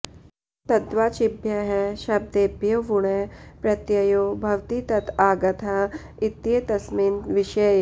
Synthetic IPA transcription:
t̪ɐd̪ʋaːt͡ʃɪbʱjɐɦɛʃɐb̚d̪eːbʱjoːʋuɽepɾɐt̪jɐjoːbʱɐʋt̪it̪ɐt̪ʰaːɡɐt̪ʰa | it̪ːet̪ɐsminʋɪʃɐj

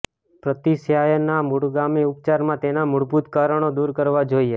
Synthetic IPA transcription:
pɾət̪isjajənamuɽɡamiʊp̚t͡ʃaɾmãt̪enamʊɽbʱut̪kaɾəɳ̃od̪uɾkəɾʋad͡ʒoie

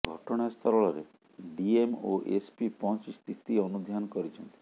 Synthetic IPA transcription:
ɡʱɔʈɔɽ̃ast̪ʰɔɾɔɭɔɾe | ɖiemoʔespipɔt͡ʃist̪ʰit̪iɔnud̪ʱjankɔɾit͡ʃʰɔnt̪i̥

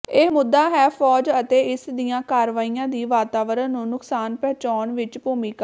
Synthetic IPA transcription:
eːmʊd̪ːaːɦɛːpʰɔːd͡ʒət̪eːɪsd̪ijãːkaːɾʋaːiːãːd̪iːʋaːt̪aːʋəɾənnũːnʊksaːnpɛːt͡ʃaːnʋɪt͡ʃpuːmiːka

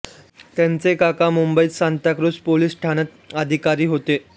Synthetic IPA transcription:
t̪jãnt͡sekakamumbəiːsant̪akɾuspoliːsʈʰaɽ̃ət̪̚ | əd̪ʱikaɾiːɦot̪e

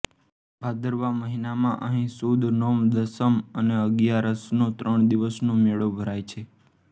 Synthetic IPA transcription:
bʱad̪ʱəɾʋaməɦinamãʔəɦĩsud̪ʱnomd̪əsəməneəɡjaɾəsnõt̪ɾəɳ̃d̪iʋəsnõmeɭobʱəɾajt͡ʃʰe

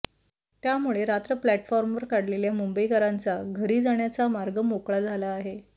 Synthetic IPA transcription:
t̪jamuɭeɾat̪ɾəplæʈfɔɾmʋəɾkaɽleljamumbəikəɾant͡saɡʱəɾiːd͡zaɳjat͡samaɾɡəmokɭad͡zʱalaːɦe

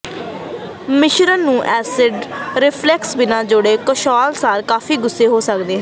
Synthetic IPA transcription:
mɪʃɾənːũːʔɛːsɪɖɾɪpʰlɛksbɪnãːd͡ʒoːɽeːkəʃɔːlsaːɾkaːfʰiːɡʊsːeːɦoːsəkd̪eːɦɛ̃

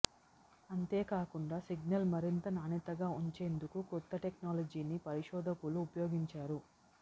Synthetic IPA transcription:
ɐnt̪eːkaːkuɳɖaːsiɡnɐlmɐɾint̪ɐnaːnit̪ɐɡaːuɲt͡ʃe̞ːnd̪ukukut̪ːɐʈek̚naːlɐd͡ʒiːnipɐɾiʃɔːd̪ʱɐkuluːpɐjoːɡiɲt͡ʃaːɾu

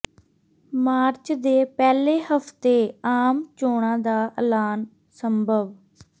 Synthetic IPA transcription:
maːɾt͡ʃd̪eːpɛːleːhəft̪eːaːmt͡ʃoːɽãːd̪aːʔəlaːn | səmbʱəʋ

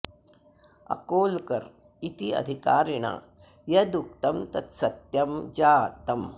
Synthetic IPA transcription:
ɐ̰koːlkɐɾ | it̪iɐ̰d̪ʱikaːɾiɳa̰ | jɐd̪uk̚t̪ɐmt̪ɐt̪sɐt̪jɐmd͡ʒaːt̪ɐm

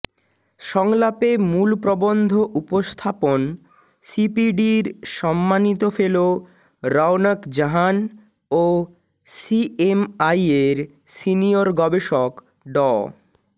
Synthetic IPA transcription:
ʃɔŋlapemulpɾobond̪ʱoʔupost̪ʰapon | sipiɖiɾʃɔmːanit̪ofelo | ɾawnakd͡ʑaɦan | o | siemajeɾ | sinioɾɡɔbeʃok | ɖɔ

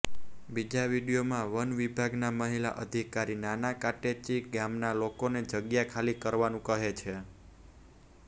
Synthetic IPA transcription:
bid͡ʒaʋiɽijomãʋənʋibʱaɡnaməɦila̰ʔəd̪ʱikaɾinanakaʈet͡ʃiɡamnalokoned͡ʒəɡjakʰalikəɾʋanũkəɦet͡ʃʰe

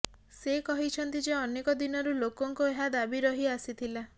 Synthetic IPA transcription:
sekɔɦit͡ʃʰɔnt̪id͡ʒeɔnekɔd̪inɔɾulokɔŋkoeɦad̪abiɾɔɦiasit̪ʰila

